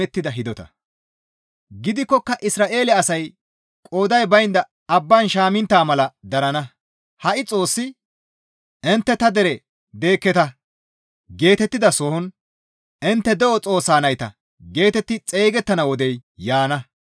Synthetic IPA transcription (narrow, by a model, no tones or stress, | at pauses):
ɛt̪ːɪd̪ɐɦɪd̪ɔt̪ɐ̰ | ɡɪd̪ɪkːɔkːɐʔɪsɾaːʔe̞ːlɛɐsɐj | kʼo̞ːd̪ɐjbɐjɪnd̪ɐ | ɐbːanʃaːmɪnt̪ːaːmɐlɐd̪ɐɾɐnɐ | hɐʔɪt͡sʼo̞ːsːɪ | ɪnt̪ːɛt̪ɐd̪ɛɾɛ | d̪e̞ːkːɛt̪ɐ | ɡe̞ːt̪ɛt̪ːɪd̪ɐsɔhɔn | ɪnt̪ːɛd̪ɛʔɔt͡sʼo̞ːsaːnɐjt̪ɐ | ɡe̞ːt̪ɛt̪ːɪt͡sʼe̞ːɡɛt̪ːɐnɐwɔd̪ɛjjaːnɐ